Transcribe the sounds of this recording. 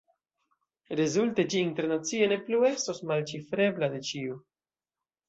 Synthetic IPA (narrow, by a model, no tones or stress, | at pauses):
ɾezulte̞d͡ʒiːnte̞ɾnat͡sie̞ne̞plue̞sto̞smalt͡ʃifɾe̞blade̞t͡ʃiu